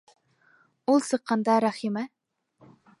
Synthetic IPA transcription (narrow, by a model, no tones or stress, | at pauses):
ulˠsɨqʰːɑnd̪ɑɾɑχimɛ